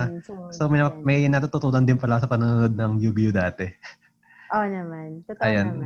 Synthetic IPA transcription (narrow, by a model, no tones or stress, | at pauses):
somɪɐmɐjnɐt̪ut̪ut̪uːlɐnd̪ɪnpɐlasɐpɐnʊnʊnod̪̚nɐŋjubijud̪aːt̪ɛ | ʔonɐmant̪otɐjan